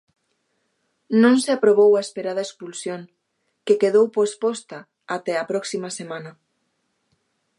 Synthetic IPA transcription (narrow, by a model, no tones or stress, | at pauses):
nõŋseapɾoβ̞owaespeɾað̞ɐekspulsjoŋ | kekeðowpospɔst̪ɐ | at̪ɛɐpɾɔksimɐsemãnɐ